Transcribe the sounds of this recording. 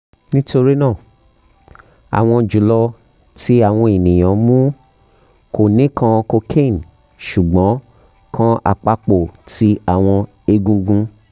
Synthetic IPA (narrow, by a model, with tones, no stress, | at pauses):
nĩ˦to˧ɾi˦nãː˦˨ | a̰˨w̃ɔ̃˧d͡ʒu˨˦lɔ˧ | ti˦a˦˨w̃ɔ̃˧e˨nĩ˨j̃ã˨mũ˦ | ko˨nĩ˨˦kʰã˧ko˧kʰẽ˦˨n | ʃu˨ɡ͡bɔ̃˨˦ | kʰã˦a̰˧k͡pa˧k͡po˨ti˦a˦˨w̃ɔ̃˧ | e˧ɡũ˧ɡũ˧